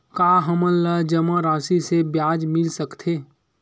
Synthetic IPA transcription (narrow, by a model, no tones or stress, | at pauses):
kaːɦəmələd͡ʒɐmaɾaːsisebjaːd͡ʒmɪlsəkt̪ʰeː